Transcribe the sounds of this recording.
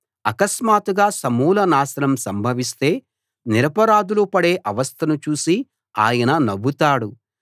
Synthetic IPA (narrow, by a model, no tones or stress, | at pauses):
ɐkɐsmaːt̪uɡaːsɐmuːlɐnaːsɐnɐmsɐmbʱɐʋist̪e̞ː | niɾɐpɐɾaːd̪ulupɐɽe̞ːʔɐʋɐst̪ʰɐnut͡ʃuːsi | a̰ːjɐnɐnɐʋut̪aːɽu